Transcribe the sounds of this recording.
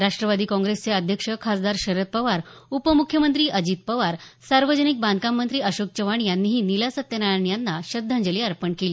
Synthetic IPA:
ɾaʂʈɾəʋad̪iːkɔ̃ŋɡɾest͡seəd̪ʱjəkʂəkʰasd̪aɾɕəɾət̪̚pəʋaɾupəmukʰjəmənt̪ɾiːʔəd͡ʑiːt̪̚pəʋaɾsaɾʋəd͡ʑənik̚bãnd̪̚kamːənt̪ɾiːəɕok̚t͡ɕəʋaɳjanːiːɦiːnilasət̪ːjənajaɳjanːaɕəd̪ʱːãɲd͡ʑəliːaɾpəɳkeliː

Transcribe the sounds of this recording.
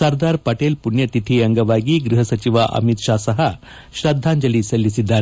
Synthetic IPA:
sɐɾd̪aːɾpɐʈelpunjɐt̪it̪ʰiɐŋɡɐʋaːɡiɡɾuɦɐsɐt͡ʃiʋaʔɐ̰mit̪ʃaːsɐɦɐ | ʃɾɐd̪ʱːaːɲd͡ʒɐlisɐlːisid̪ːaːɾe

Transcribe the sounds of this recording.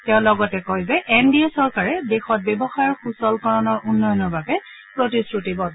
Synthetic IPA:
tɛʊ̃lɔɡɔtɛkɔjzɛʔɛndiɔsɔɹkaɹɛdexɔt̚bɛbɔxaɹxusɔlkɔɹɔnɔɹunːɔjɔnɔɹbʱabɛ | pɹotisɹutibɔt

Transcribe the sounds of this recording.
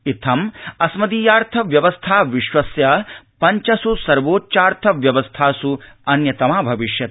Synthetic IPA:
it̪ʰɐmɐsmɐd̪iːjaːɾt̪ʰɐʋjɐʋɐst̪ʰaːʋiʃʋɐsjɐ | pɐɲt͡ʃɐsusɐɾʋoːtːt͡ʃaːɾt̪ʰɐʋjɐʋɐst̪ʰaːsuɐnjɐt̪ɐmaːbʱɐʋiʃjɐt̪

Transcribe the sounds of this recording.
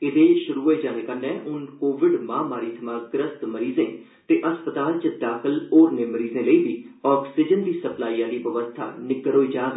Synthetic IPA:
ɪd̪eːʃʊɾuːɦoːiːd͡ʒaːnẽːkənːɛ̃ːʔʊnkoːʋɪɖmãːmaːɾiːt̪ʰəmaːɡɾəst̪məɾiːzẽː | t̪eːʔəspət̪aːlt͡ʃəd̪aːkʰɪloːɾnẽːməɾiːzẽːləiːbiːɔːksɪd͡ʒənd̪iːsəplaːiːãːd̪iːʋəʋəst̪ʰa̰ːnɪɡəɾoːiːd͡ʒaːɡ

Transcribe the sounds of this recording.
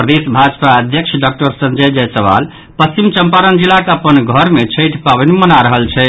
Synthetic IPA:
pɾəd̪esbʱad͡ʒpaəd̪ʱjəkt͡ʃʰɖak̚ʈəɾsənd͡ʒəjd͡ʒɛjsəʋa̰l | pəst͡ʃimt͡ʃəmpaɾənd͡ʒilːakəpənɡʱəɾmet͡ʃʰəjʈʰpabənemənaɾəɦəlt͡ʃʰɛ

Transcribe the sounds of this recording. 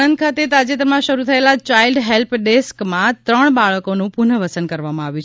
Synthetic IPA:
nənd̪̚kʰat̪et̪ad͡ʒet̪ɾmãʃəɾut̪ʰəelat͡ʃailɖɦelpɖeskmãt̪ɾəɽ̃baɭəkonũpunəʋəsənkəɾʋamãaʋjũt͡ʃʰ

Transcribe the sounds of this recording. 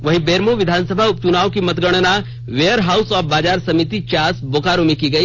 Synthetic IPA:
ʋɐɦibeːɾmoʋɪd̪ʱaːnsəbʱaʊp̚t͡ʃʊnaːokimɐt̪ɡəɽ̃na | ʋeːjəɾɦaːʊsɔːfbaːd͡ʒaːɾsɐmɪt̪it͡ʃaːsboːkaːɾomikiɡɐiː

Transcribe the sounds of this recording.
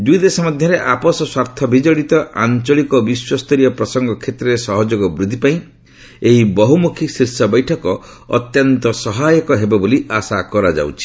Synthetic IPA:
d̪ujd̪esɔmad̪ʱjɔɾeʔapɔsɔswaɾt̪ʰɔbʱid͡ʒɔɽit̪ɔʔa̰nt͡ʃɔɭikɔbiswɔst̪ɔɾijɔpɾɔsɔŋɡɔkʰet̪ɾɔɾesɔɦɔd͡ʒoɡɔbɾud̪ʱipaĩ | eɦibɔɦumukʰisiɾsɔbɔjʈʰɔkɔ | ɔ̰t̪jɔnt̪ɔsɔɦajɔkɔɦebɔboliasakɔɾad͡ʒa̰wt͡ʃʰi̥

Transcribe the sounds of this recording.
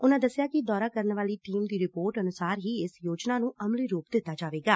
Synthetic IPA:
ʊnãːd̪əsːɪjaːkɪd̪ɔːɾaːkəɾnʋaːliːʈiːmd̪iːɾɪpoːɾʈənʊsaːɾɦiːɪsjoːd͡ʒnaːnũːʔəmliːɾoːpd̪ɪt̪ːaːd͡ʒaːʋeːɡaː

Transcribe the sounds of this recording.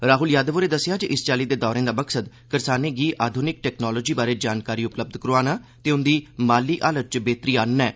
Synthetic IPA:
ɾaːɦʊljaːd̪əʋoːɾeːd̪əsɪjaːd͡ʒeʔɪst͡ʃaːliːd̪eːd̪ɔːɾẽːd̪aːməksəd̪ | kəɾsaːneːɡiːʔaːd̪ʱʊnɪk̚ʈɛːknɔːlɔːd͡ʒiːbaːɾeːd͡ʒaːnkaːɾiːʊpləb̚d̪kəɾoaːnaːt̪eːʊnd̪iːmaːliːʔaːlət̪̚t͡ʃbeːt̪ɾiːaːnːɛː

